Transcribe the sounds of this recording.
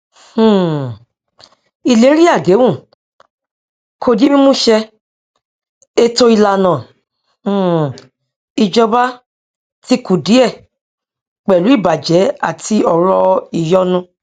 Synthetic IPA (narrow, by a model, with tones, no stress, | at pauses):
h̩˦˨ | i˧le˨˦ɾi˦a˦˨ɡe˨˦wũ˦˨ | kʰo˧di˦mĩ˦mũ˦ʃɛ˧ | e˧to˧i˧la˧˨nã˨ | i˧d͡ʒɔ˧ba˦ | ti˦ku˨di˨˦ɛ˦˨ | k͡pɛ˨lu˨˦i˦˨ba˨d͡ʒɛ˨˦a˦˨tʰi˧ɔ˨ɾɔ˧i˨jɔ˦nũ˧